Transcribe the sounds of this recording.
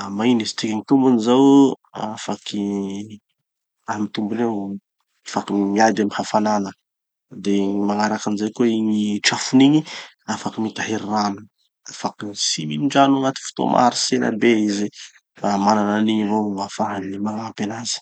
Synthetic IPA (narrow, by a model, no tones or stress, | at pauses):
mainizi̥t̪ikiŋit̪umbunizawafakʰi | amit̪umbunew | afakimiad̪amihafananə | d̪emaŋaɾakanizajkeiɲiʈ͡ʂafuniɲi | afakimit̪aɦeɾranu | afakisiminiɳɖ͡ʐanaŋat̪i̥fu̥t̪o̰mʔa̰ɾisena̰beizi | amanananiɲivowafaɦlemaŋaapenazi̥